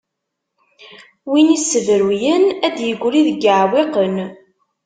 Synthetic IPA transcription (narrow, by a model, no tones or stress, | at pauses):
winisːəvɾujənæd̪jəɡʷːɾiðəɡəʕweqən